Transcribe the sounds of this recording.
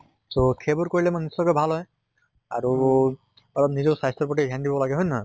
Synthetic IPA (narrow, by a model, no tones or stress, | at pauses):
sokʰebuɹkoɹilɛmanisɔkojbʱalɦɔj | a̰ɹu | ɔlɔpnizɔsajstɔɹpɔʈidʱjandibɔlaɡɛɦɔjnɔ